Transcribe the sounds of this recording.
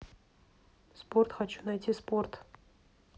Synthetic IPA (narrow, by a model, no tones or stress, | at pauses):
sport̪xɐt͡ɕunɐjtʲispo̞rt̪